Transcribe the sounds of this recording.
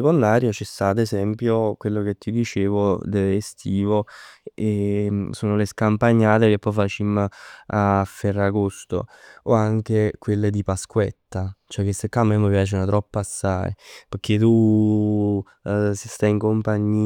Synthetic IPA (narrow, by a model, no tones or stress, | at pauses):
kond̪aːɾjot͡ʃɛst̪aːt̪ezɛmpjokwelːok̟et̪ːid̪it͡ʃeːvod̪eest̪ʰiːvoesoːnoleskampaɲːaːt̪ekepːɔjfat͡ʃimːafːɛrːaɡost̪o̰oaŋk̟ekwelːed̪ipaskwɛ̰t̪ːat͡ʃoɛkːesekːamːemːəpjaːt͡ʃnat̪ɾɔpːasːa̰jpek̟ʰːet̪u | sst̪ajiŋkompaɲːiː